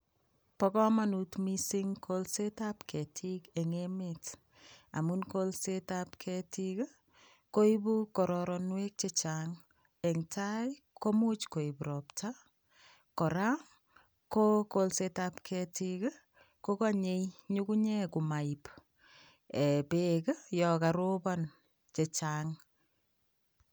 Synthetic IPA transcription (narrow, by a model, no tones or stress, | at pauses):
pɔkɔmanutmisiŋkʰolsetapkʰɛtʰikɛŋemet | a̰munkolsetapkʰɛtik | koibukɔɾɔɾɔnwek̚t͡ʃɛt͡ʃaŋ | ɛŋtʰaj | kʰomut͡ʃkoibɾɔptʰa | kɔɾam | kokolsetapkʰɛtikə | kokaɲejɲukuɲɛkumaip | ɛpekjɔkaɾopan | t͡ʃet͡ʃaːŋ